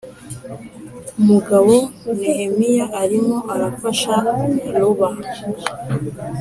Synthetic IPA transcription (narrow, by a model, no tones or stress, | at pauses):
umuɡaβonihemijaʔːɾimo̞ʔaɾafaʃaluβa